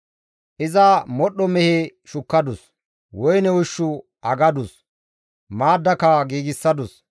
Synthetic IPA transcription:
ʔɪzɐmɔɗːɔmɛhɛʃʊkːɐd̪ʊs | wɔjnɛwʊʃːʊ | ʔɐɡɐd̪ʊs | maːd̪ːɐkɐɡiːɡɪsːɐd̪ʊs

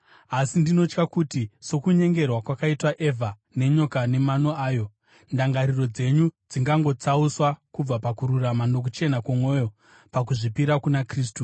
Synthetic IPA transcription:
asindino̞t͡ʃkakutiso̞kuɲe̞ŋɡe̞rwakwakaitwaʔe̞va | ne̞ɲo̞kane̞mano̞aːjo̞ | ndaŋɡaɾiro̞d͡ze̞ɲud͡ziŋɡaŋɡo̞t͡sauswakub͡vapakuɾuramanok̬ut͡ʃe̞nakwomwo̞ːjo̞ | pak̬uʐipiɾakunakriːs̬tu

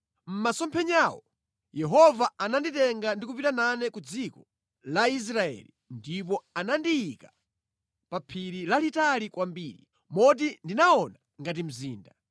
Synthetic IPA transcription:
m̩masɔmpʰɛɲaːwɔ̰ | jɛɦɔvaananditɛŋɡandikupitananɛkud͡zikɔ | lais̬ɾaɛ̰li | ndip̬ɔanandiika | papʰiɾilalitalikwambiːɾi | mɔt̬indinaɔna | ŋɡat̬im̩ziːnda

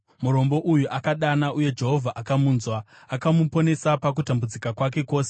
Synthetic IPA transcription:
muɾo̞mbo̞ʔujuʔakaɗanaʔuje̞d͡ʒe̞ɦo̞vʱaʔakamuːnzwaː | kamupo̞ne̞sapak̬utambud͡zikakwak̬e̞ko̞ːse

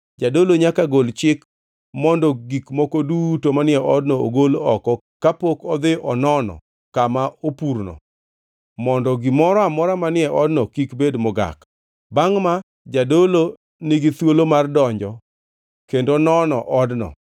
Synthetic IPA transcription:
d͡ʒadoloɲakaɡolt͡ʃɪk | mɔndɔɡikmɔkodutomanɪɛʔɔdnɔo̰ɡolɔkɔ | kapokɔd̪ɪʔɔnɔnɔ̰ | kamaopurnɔ̰ | mɔndɔɡɪmɔɾɔamɔɾamanɪɛʔɔdnɔkikbedmɔɡa̰k | baŋma | d͡ʒadolo | nɪɡɪt̪wolomardɔɲd͡ʒɔ | kendonɔnɔʔɔdnɔ̰

